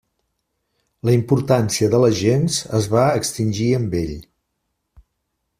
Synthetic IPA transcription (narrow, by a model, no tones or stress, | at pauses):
ləimpuɾt̪ansiəðələʒenzəzβaəkst̪inʲʒiəmbeʎ